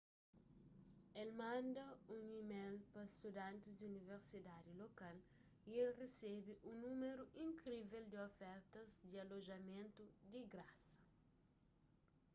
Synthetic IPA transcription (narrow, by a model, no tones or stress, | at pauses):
elmãnd̪ɐũŋimelpɐst̪ud̪ãnt̪ɪzd̪iuniveɾsid̪ad̪ilokal | ielresebɪʔũnũmeɾuʔĩŋkɾiveld̪ɪofɛɾt̪ɐzd̪iɐloʒɐmẽnt̪ud̪iɡɾasɐ̥